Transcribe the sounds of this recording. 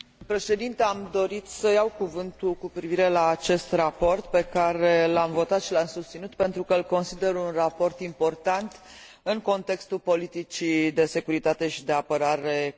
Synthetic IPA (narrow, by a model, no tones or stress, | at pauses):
pɾe̞ʃe̞d̪int̪eamd̪o̞ɾit̪səjawkuvɨnt̪ulkupɾiviɾe̞laːt͡ʃe̞st̪rapo̞rt̪pe̞kaɾe̞lamvo̞t̪at̪ʃilamsust̪sinut̪pe̞nt̪ɾukəlko̞nsid̪e̞ɾunrapo̞rt̪impo̞rt̪ant̪ | ɨŋko̞nt̪e̞kst̪ulpo̞lit̪it͡ʃid̪e̞se̞kuɾit̪at̪e̞ʃid̪e̞apəɾaɾe̞